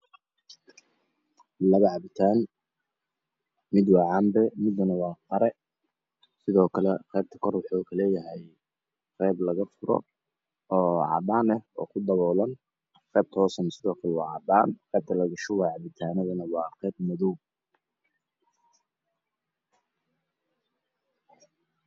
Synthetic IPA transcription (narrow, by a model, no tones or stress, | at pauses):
lɐɣɐʕɑbɪt̪ʰaːn | mɪd̪wɑːʕɑːmbɛmɪd̪ɐnɐwɑːqɑɾɛ | sɪðɔːkʰɐlɛqɛːb̚t̪ʰɐ̥kʰɔrwʊħuːkʰɐlɛːjɐɦɛj | qɛːblɐɣɐfʊɾɔ̰ | ɔːʕɑ̰d̪aːnɛhɔ̰ːkʰʊd̪ɐβɔːlɐn | qɛːb̚t̪ʰɔːsɐnsɪðɔːkʰɐlɛwɑ̰ːʕɑd̪aːnqɛːb̚t̪ʰɐlɐɣɐʃʊwɑʕɑβɪt̪ʰaːnɐðɐnɐwɑːqɛːb̚mɐðɔw